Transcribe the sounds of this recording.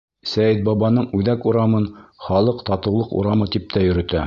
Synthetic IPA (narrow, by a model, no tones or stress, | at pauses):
sæjɘt̪̚bɑβɑnɤɴʉðækuɾɑmɤnχɑlˠɤqt̪ɑt̪ɤ̆wlˠɤqṵɾɑmɤt̪ip̚t̪æjɵ̆ɾɵ̆t̪æ